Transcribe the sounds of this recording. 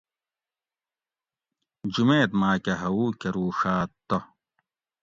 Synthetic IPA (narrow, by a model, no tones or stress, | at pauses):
d͡ʑumeːt̪maːkɐɦɐuːkɐɾuːʂaːt̪ːo